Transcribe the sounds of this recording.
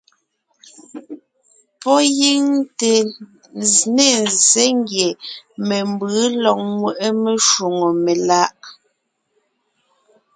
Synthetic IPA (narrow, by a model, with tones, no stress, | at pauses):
pɔ˦ji˦ŋte˨ | nzne˦˨nze˦ŋɡje˨me˨mbɯ˨˦lɔ˨k̚mwe˨ʔe˦me˨ʃu˨ŋo˨me˨la˦ʔ